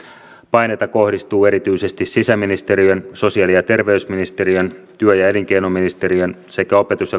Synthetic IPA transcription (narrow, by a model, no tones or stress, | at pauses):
pɑjne̞jt̪ɑko̞hdist̪uːe̞ɾit̪yjse̞st̪issisæmːinist̪eɾiønso̞siɑlijɑt̪e̞rʋe̞ysminist̪e̞ɾiønt̪yøjæe̞liŋk̟e̞jnomːinist̪e̞ɾiønse̞kæo̞pe̞t̪usjɑ